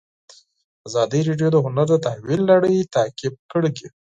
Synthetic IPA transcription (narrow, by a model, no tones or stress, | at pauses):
azɑd̪əjɾeɖjod̪əɦʊnaɾd̪ət̪ahwilːaɽəjt̪akɪb̚kəɽɡ̪i